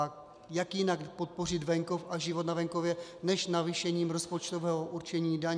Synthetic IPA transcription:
k | jakjɪnakpo̞t̪̚po̞r̝ɪd̪vɛŋkofʔaʒɪvot̪navɛŋko̞vjɛnɛʃnaviʃɛɲiːmɾo̞spo̞t͡ʃt̪ovɛːɦoʔuɾt͡ʃɛɲiːdaɲ

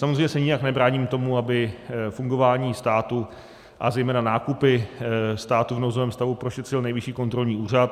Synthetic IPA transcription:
samozrejɲɛsɛɲɪjaknɛbɾaːɲimt̪o̞muabɪfuŋɡo̞vaːɲiːst̪aːt̪u | ʔazɛjmɛːnanaːkupɪst̪aːt̪uvnowzovɛːmst̪avupɾo̞ʃɛt̪r̥ɪlnɛjvɪʃiːko̞nt̪ɾo̞lɲiːuːr̝at̪̚

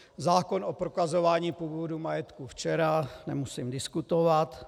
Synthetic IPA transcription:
zaːko̞nopɾokazo̞vaːɲiːpuːvodumajɛt̪kuft͡ʃɛɾanɛmusimdɪskut̪ovat̪

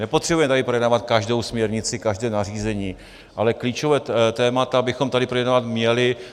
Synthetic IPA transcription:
nɛpot̪r̥ɛbujɛmɛt̪adɪpɾo̞jɛdnaːvat̪̚kaʒdo̞wsmɲɛɾɲɪt͡sɪkaʒdɛːnar̝iːzɛɲiː | ʔalɛkliːt͡ʃovɛːt̪ɛːmat̪abɪxo̞mt̪adɪpɾojɛdnavat̪mɲɛlɪ

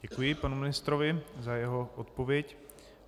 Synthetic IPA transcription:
ɟɛkujɪpanumɪnɪst̪ɾo̞vɪzajɛɦo̞ʔot̪po̞vjɛc

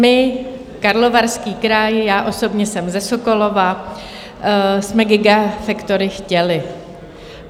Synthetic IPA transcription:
mɪ | kaɾlo̞vaɾskiːkɾajjaːʔo̞so̞bɲɛsɛmzɛsoko̞lo̞va | smɛɡɪɡafɛkt̪o̞ɾɪxcɛlɪ

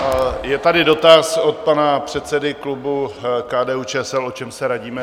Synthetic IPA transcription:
jɛt̪adɪdo̞t̪asot̪̚panapr̝̥ɛt̪sɛdɪklubukaːdɛːuːt͡ʃɛːɛsɛlo̞t͡ʃɛmsɛɾaɟiːmɛ

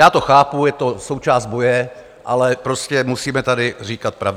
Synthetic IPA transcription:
jaːt̪o̞xaːpujɛt̪o̞so̞wt͡ʃaːzd̪̚bo̞jɛ | ʔalɛpɾo̞scɛmusiːmɛt̪adɪriːkat̪̚pɾav

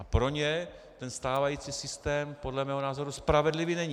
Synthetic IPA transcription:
apɾo̞ɲɛ | t̪ɛnst̪aːvajiːt͡siːsɪst̪ɛːmpo̞dlɛmɛːɦonaːzo̞ɾuspɾavɛdlɪvinɛɲ

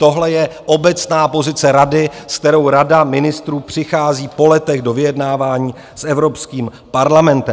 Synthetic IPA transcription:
t̪o̞ɦlɛjɛʔo̞bɛt͡snaːpo̞zɪt͡sɛɾadɪsk̚t̪ɛɾo̞wɾadamɪnɪst̪ɾuːpr̝̥ɪxaːziːpo̞lɛt̪ɛɣdo̞vɪjɛdnaːvaːɲiː | sɛvɾo̞pskiːm | paɾlamɛnt̪ɛ

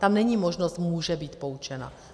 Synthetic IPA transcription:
t̪amnɛɲiːmoʒnost̪muːʒɛbiːt̪pout͡ʃɛna̰

